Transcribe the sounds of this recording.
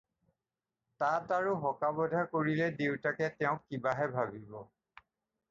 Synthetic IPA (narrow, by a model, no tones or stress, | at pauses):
tataɹuɦɔkabɔdʱakoɹilɛdewtakɛtɛʊ̃kːibaɦɛbʱabibɔ